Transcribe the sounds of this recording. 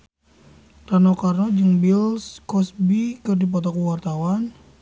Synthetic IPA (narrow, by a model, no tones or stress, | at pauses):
t̪anɔkarnɔd͡ʒɨŋbilskɔsbikɨrdip̬ɔt̪ɔkuwart̪awan